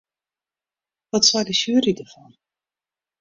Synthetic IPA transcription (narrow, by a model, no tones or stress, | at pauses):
ʋɔtsajdəʃyːɾidəvɔn